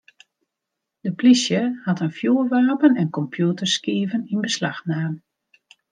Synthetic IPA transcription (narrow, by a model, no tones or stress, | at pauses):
d̥əplisjəhɑtənfjuːərʋaːpənɛnkɔmpʰjutərskiəvəninbəslaxnaːm